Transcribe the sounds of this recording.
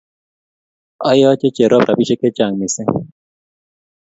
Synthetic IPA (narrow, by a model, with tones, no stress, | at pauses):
a˦jɔ˦t͡ʃe˦t͡ʃe˨ɾo˦pɾʔa˨bi˦t͡ʃe˦ke˦t͡ʃa˨ŋmi˨sɛ˦